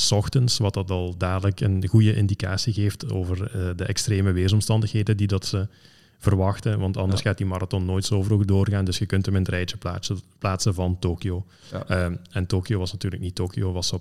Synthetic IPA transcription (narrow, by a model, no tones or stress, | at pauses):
sɔxtənsʋɑtɑtɑlˠdaːrdələkənɣujəʔɪndika̰ːsiɣeːftoːvərədəʔɛkstreːməʋeːzɔmstɑndəxɦeːdədidɑtsə | v̥ərʋɑxtəʋɑntɑndərsxaːt̚dimɑɾɑtɔnːoːjtsoːvərodoːrɣaːndɵsxəkɵntəməntrɛjt͡ʃəaplaːtsənvɑntoːkioː | ɛntoːkioʋɑsnɑtyːrləknitoːkioːʋɑsə